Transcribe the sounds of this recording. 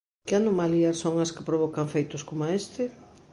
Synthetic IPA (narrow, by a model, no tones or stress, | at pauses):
kɪanomaliɐssoŋɐskɪpɾoβ̞ɔkaŋfejt̪ʊskomaest̪ɪ